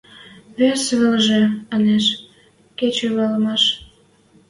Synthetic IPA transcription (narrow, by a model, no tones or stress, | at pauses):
βesβəlʒeɑneʃ | ket͡ɕoβɑləmɑʃ